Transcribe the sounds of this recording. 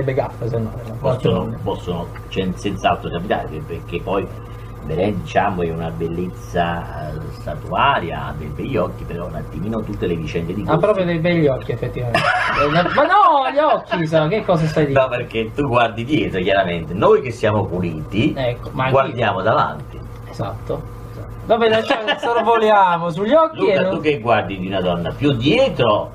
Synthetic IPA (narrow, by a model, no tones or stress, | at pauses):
ebeɡapːes̬enːɔ̰pɔsːonopɔsːono | t͡ʃɛnsɛnt̪saalt̪ɾokapit̪a̰ːlḛeperk̟epːɔj | veɾɛnd̪it͡ʃamoɛunabelːet̪sːasat̪uaːɾja̰d̪ejbɛʎːɔkːipeɾɔunat̪ːimiːnot̪ut̪ːelevit͡ʃɛnd̪ed̪ik̪apːɾɔːpɾjod̪ejbɛʎːɔkːiefːet̪ːivamennɔmanɔʎːɔkːis̬akekːɔːs̬asajd̪inɔperket̪ːuɡward̪id̪jɛːt̪ɾokjaɾament̪enojk̟esːjaːmopuliːt̪iɛkːomaɡward̪jaːmod̪ava̰nt̪i | ezat̪ːo | ezat̪ːovabɛlat͡ʃːasoɾvoljaːmos̬uʎːɔkluieaukːeɡːward̪id̪iunad̪ɔnːapjud̪jɛːt̪ɾo